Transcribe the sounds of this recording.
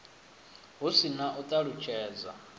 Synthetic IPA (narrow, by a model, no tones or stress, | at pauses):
ɦusinaʔut̪ʼaɺut͡ʃʰʼɛːd͡za̰